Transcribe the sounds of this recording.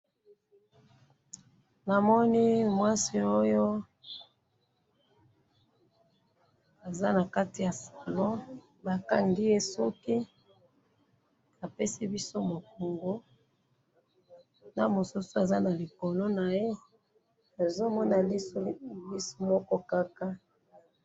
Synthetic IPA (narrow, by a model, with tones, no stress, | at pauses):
na˨mɔ˦ni˦mwa˦si˨o˦jo˦ | a˨za˦na˨ka˦ti˨ja˨sa˨lɔ˦ | ba˨ka˦ŋɡi˦je˦sɔ˦ki˦ | a˨pe˦si˦bi˦so˦mo˨ko˨ŋɡo˦ | na˦mo˨su˦so˦a˨za˦na˨li˨ko˨lo˦na˨je˦ | a˨zo˦mɔ˦na˨li˦bi˦so̥˦mɔ˦kɔ˦ka˦ka˦